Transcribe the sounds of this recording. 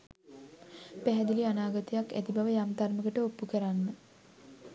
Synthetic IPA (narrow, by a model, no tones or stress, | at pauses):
pæɦɛd̪ilianaːɡət̪əjakːæ̰t̪ibaʋəjamd̪arməɡəʈəopːukəɾanːə